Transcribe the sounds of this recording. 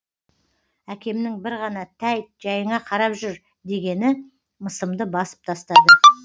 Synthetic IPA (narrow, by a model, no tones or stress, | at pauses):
ækʲe̞mnɪŋbɪɾʁɑnɑt̪ʰæjt̪ʒ̥ɑjəɴɑqʰɑɾɑpʒʏɾ | d̪e̞ɡʲe̞nɪ | məsəmd̪əbɑsə̥p̚t̪ʰɑst̪ɑd̪ə